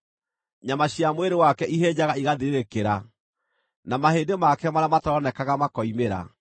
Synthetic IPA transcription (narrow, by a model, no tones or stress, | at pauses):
ɲamaɕjamweɾewakɛʔiɦeːd͡ʑaɣaiɣaðiɾeɾekeɾa | namaheːndemakɛmaɾamatɔɾɔnɛkaɣamakɔimeɾa̰